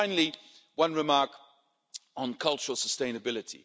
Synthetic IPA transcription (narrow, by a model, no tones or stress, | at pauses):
ɪ̃nl̩i | wʌ̃nɹɪmɑɹk | n̩kʰʌlˠt͡ʃəɹəl̩ˠsəstẽɪ̃nɨbɪlɨtʰḭ